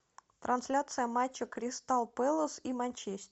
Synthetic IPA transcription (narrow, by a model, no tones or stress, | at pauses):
t̪ɾʔɐnsʲlʲat̪sɨjəmat͡ɕːəkɾʲɪst̪ɑlˠpɛlˠosimɐnʲt͡ɕesʲt̪ʲ